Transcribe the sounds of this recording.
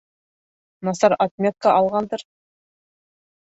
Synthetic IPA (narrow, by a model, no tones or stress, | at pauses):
nɑsɑɾat̪̚mʲet̪̚kːɑʔɑlˠʁɑnd̪əɾ